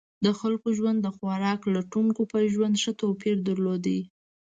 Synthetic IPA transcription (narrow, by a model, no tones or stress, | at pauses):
d̪əxalkoʒwand̪ːəxwaɾɑklaʈuŋkopajʒwand̪ʃət̪opiɾd̪əɾlod̪ai